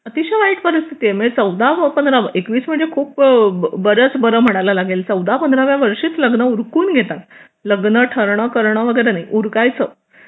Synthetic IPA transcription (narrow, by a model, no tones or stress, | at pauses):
ət̪iɕaʋaiʈpəɾist̪ʰi̥t̪iemet͡səwd̪aʋpənd̪ɾaʋəʔekʋiːsm̤əɳd͡zekʰuːpbəɾət͡sbəɾəm̤əɽ̃ajlalaɡelt͡səwd̪apənd̪ɾaʋjaʋəɾʂiːt͡sləɡnəuɾkuːnɡʱet̪at̪ | ləɡnəʈʰəɾɳəkəɾɳ̃əʋəɡəjɾenaiʔuɾkajt͡sə